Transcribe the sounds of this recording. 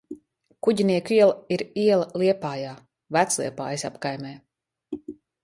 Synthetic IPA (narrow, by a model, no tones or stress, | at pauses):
kuɟiniɛkiɛlˠaiɾiɛlˠaliɛpaːjaː | væt̪slˠḭɛpa̰ːjsa̰pkajmɛː